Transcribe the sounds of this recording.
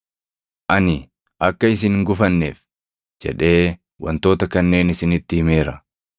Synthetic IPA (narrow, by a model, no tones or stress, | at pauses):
ʔɐnɪ | ʔɐkːɐɪs̬ɪnŋɡʊfɐnːḛːf | d͡ʒɛ̰ᶑe̞ː | wɐ̰nt̪o̞ːt̪ɐkɐnːe̞ːnɪsɪnɪt̪ːɪhɪme̞ːɾɐ